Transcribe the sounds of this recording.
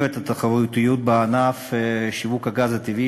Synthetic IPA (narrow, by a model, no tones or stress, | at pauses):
vet̪at̪aχavut̪ijut̪̚beanafʃivukhaɡazat̪ivi